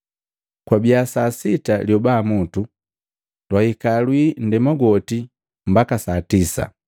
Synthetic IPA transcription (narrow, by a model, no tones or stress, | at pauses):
kwabiasasitaljɔbaːmutu | lwaikalwiːn̩dɛmɔɡɔti | mbakasatisa̰